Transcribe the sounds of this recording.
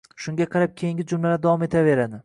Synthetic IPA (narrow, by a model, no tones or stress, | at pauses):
ʃʊŋɡʲaqʰɑɾap̚kʲʰejɪŋɡʲɪd͡ʒʊmlanad̪avɒme̞t̪ʰave̞ɾad̪ɪ